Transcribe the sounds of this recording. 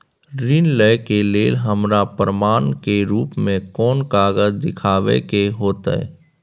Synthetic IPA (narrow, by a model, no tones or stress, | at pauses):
ɾinləjkeleːlɦəmɾapɾəmaːnkeɾuːpmẽkɔːnkaːɡəd͡ʒd̪ɪkʰaːʋḛkeɦoːt̪ɛ̰